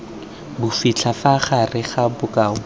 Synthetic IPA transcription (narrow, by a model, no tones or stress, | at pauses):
bʊfit͡ɬʰafaχarɪχabʊkaːʊ